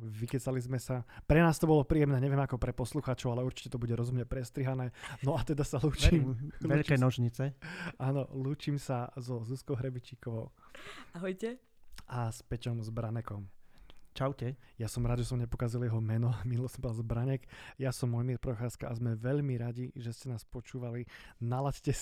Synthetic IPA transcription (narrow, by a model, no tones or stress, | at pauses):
ʋikɛt͡salizmɛsapɾɛnaːst̪ɔbɔlɔpɾiːjɛmnɛːɲɛʋɪɛmakɔpɾɛpɔsluxaːt͡ʃɔʊalɛuɾt͡ʃi̥cɛt̪ɔbuɟɛɾɔzumɲɛpɾɛst̪ɾiɦanɛːnɔat̪ɛd̪asaluːt͡ʃimʋɛʎkɛnɔʒɲit͡sɛaːnɔluːt͡ʃimsazɔzuskɔʊɦɾɛbit͡ʃikɔʋɔʊaɦɔjcɛ | ʔaspɛcɔmzbɾanɛkɔmt͡ʃaʊcɛjasɔmɾaːd̪ʒɛsɔmɲɛpɔkaziljɛɦɔmɛnɔminulɔsɔmbɔalzbɾaɲɛkjasɔmːɔjmiɾpɾɔxaːskaʔazmɛʋɛʎmiɾaɟiʒɛscɛnaːspɔt͡ʃuːʋalinalascɛ